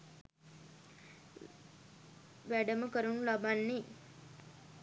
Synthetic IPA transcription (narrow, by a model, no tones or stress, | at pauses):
ʋæɖəməkəɾunlabanːi